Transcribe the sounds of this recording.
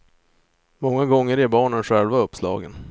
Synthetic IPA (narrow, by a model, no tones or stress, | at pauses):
mɔŋːaɡɔŋːəɾɛbɑːɳənɧɛlvaɵpːslɑ̰ːɡən